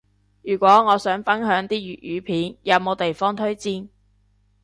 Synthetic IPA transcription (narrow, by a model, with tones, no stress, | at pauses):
jyː˨˩kʷwɔː˨˥ŋɔː˨˧sœː˨˥ŋfɐ˥nɦœː˨˥ŋt̪iː˥jyː˨t̚jyː˨˧pʰiː˨˥njɐ˨˧wmo˨˧wt̪e˨jfɔː˥ŋt̪ʰɵ˥ɥt͡siː˥n